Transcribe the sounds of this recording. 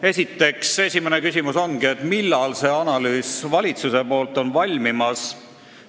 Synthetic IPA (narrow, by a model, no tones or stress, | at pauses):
e̞sʲit̪ːe̞kse̞sʲimenekysʲimuso̞nɡiet̪milːɑlse̞ɑnɑlyːsvɑlʲit̪suse̞po̞ːlt̪ːˑo̞nvɑlʲmimɑs